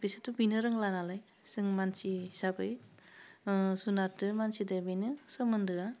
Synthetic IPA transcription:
bisɯtubinɯɾɯŋlanalaj | sɯŋmansisabɯj | sunatɯmansidɯbinɯsɯmɯndɯa

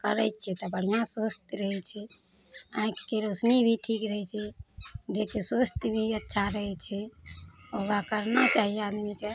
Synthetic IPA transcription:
kəɾɛjt̪̚t͡ʃʰɛt̪ɔbəɽ̤ijãsost̪ɾəɦɛt͡ʃʰɛ | ãĩkkːeɾosnibʱiʈʰikɾəɦɛt͡ʃʰɛd̪ekʰesost̪bʱiətːʃʰaɾəɦɛt͡ʃʰɛ | oɡakəɾnat͡ʃaɦiead̪mike

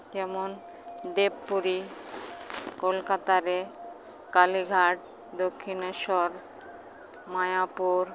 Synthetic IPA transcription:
kɛmon | d̪ebːuɾi | kolkat̪aɾe | kaliɡʱaʈ̚ | d̪okʰːinoʃɔɾ | majapuɾ

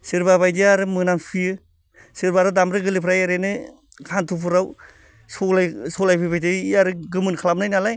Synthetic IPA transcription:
siɾbabajdiaɾɯmɯnamsijɯ | siɾbaɾɯdamɾɯɡɯlipʰɾajaɾenɯ | kʰantʰupʰɯɾaw | sɔlajsɔlajpʰɯpʰajtʰɯaɾɯɡɯmɯnkʰalap̚najnalaj

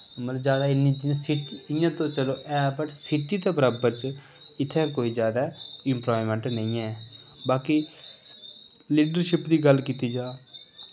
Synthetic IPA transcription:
mət̪ləbzjaːd̪aːɪniːd͡ʒsiʈɪjãːt̪õːt͡ʃəloːʔɛːbəʈsɪʈiːt̪aːbəɾaːbəɾt͡ʃ | ɪt̪ʰːẽːkoːiːzjaːd̪aːɪmplaːimɛ̃ːɳʈnəĩːɛː | baːki | liːɖəɾʃɪpd̪iːɡəlkiːt̪iːd͡ʒaː

